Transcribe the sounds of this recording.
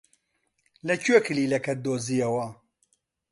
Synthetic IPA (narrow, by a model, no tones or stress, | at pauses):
lɐcʰɥekɨliːlɐkɐd̪oːzijɐwɐ